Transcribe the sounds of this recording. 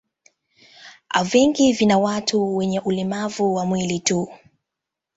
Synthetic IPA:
a̰vɛŋɡivinawatuwɛɲɛʔulimavuwamwilitu

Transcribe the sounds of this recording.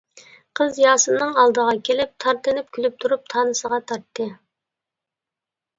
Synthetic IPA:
qʰəzjɑːsɨnɨŋɑlˠd̪əʁɑkʲʰelɪp̚t̪ʰɑɾt̪ɨnɪp̚kʲʰylyp̚t̪ʰuɾup̚t̪ʰɑːnɨsəʁɑt̪ʰɑɾt̪ʰːɨ

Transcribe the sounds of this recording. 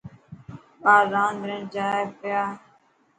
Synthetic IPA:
paːzãːnd̪ɾẽːd͡ʒaːpɪjaː

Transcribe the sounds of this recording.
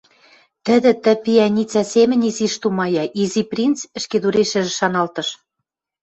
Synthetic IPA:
t̪ə̆d̪ɘ̆t̪ɘ̆piænʲit͡sæsemɘ̆nʲiziʃt̪umɑjɑʔiziprʲint͡sɘ̆ʃked̪uɾeʃɘ̆ʒɘ̆ʃɑnɑlt̪ɤ̆ʃ

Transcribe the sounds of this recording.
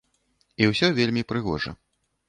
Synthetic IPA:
iwsʲɔvʲelʲmʲipɾɨɣɔ̰ʐɐ̰

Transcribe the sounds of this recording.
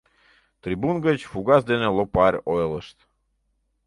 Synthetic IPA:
t̪ɾibunɡət͡ɕfuɡazd̪ɛnɛlˠɔpaɾʲoɛlˠəʃt̪

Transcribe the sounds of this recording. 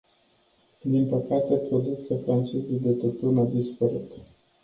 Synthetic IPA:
d̪inpəkat̪e̞pɾo̞d̪uk̚t̪siafɾant͡ʃezujd̪e̞t̪ot̪unad̪ispəɾit̪

